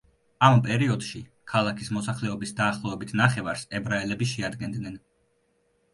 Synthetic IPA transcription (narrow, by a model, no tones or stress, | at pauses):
ampʼɛɾiɔd̪̥ʃi | kʰalˠakʰismɔsaχlɛɔbisd̪aːχlˠɔvɛbit̪ʰnaχɛvaɾsɛbɾaɛlɛbiʃɛad̪ɡɛnd̪nɛn